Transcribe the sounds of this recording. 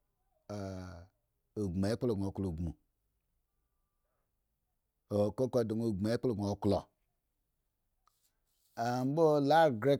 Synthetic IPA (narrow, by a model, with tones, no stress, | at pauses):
a˨ | o˨ɡ͡bma˨e˦k͡plo˨ɡo˨klo˨ɡ͡bmu˨ | o˨ko˦ko˨do˨ŋo˨ɡ͡ba˨e˦k͡plo˨ɡo˨klo̰˨ | a˨m˦bo˦la˦ɡɾe˦